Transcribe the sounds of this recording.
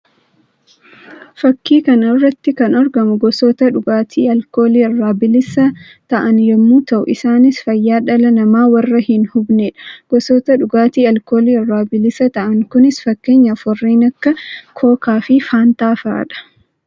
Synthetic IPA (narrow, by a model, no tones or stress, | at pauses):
fɐkːiːkɐnɔrːɐt̪ːɪkɐnɔɾɡɐmʊɡɔsɔt̪ɐᶑʊɡaːt̪ʰiːɐlko̞ːliːɐrːaːbɪlɪsɐ | t̪ɐʔɐnjɛmːuːt̪ɐʔʊ̰ʔɪsaːnɪsfɐjːaːᶑɐlɐnɐmaːwɐrːɐhɪnhʊbneːᶑɐ̥ɡ̥ɔsɔt̪ɐᶑʊɡaːt̪iːɐlkoːliːɐrːaːbɪlɪsɐt̪ɐʔɐŋkʊnɪsfɐkːe̞ːɲːɐfɔrːiːnɐkːɐkʰoːkaːfɪfaːnt̪aːfa̰ːᶑɐ̥